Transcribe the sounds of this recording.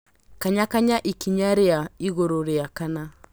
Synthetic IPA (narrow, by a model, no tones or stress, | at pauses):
kaɲakaɲaʔikiɲaɾeaiɣoɾoɾeakana